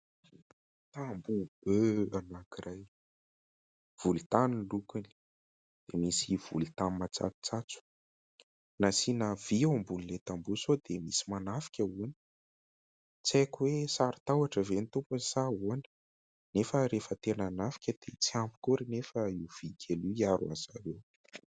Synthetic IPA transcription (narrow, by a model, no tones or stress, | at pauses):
t̪ambub̥øanakirʔaj | v̥ult̪anulukuni̥ | d̪̥emisiv̥ṵlit̪ammat͡sa̰t͡su̥t͡sat͡su̥ | nasinav̥iambunilet̪ambusod̪emisi̥manafi̥kʲəuni̥ | t͡siakwesaɾi̥t̪awaʈ͡ʂəvenit̪umpunisaɦuani̥ | nefəɾefət̪enanafi̥kʲəd̪̥et͡siampu̥kuɾinefəiwv̥ikʲʰeluiaɾua̰zaɾew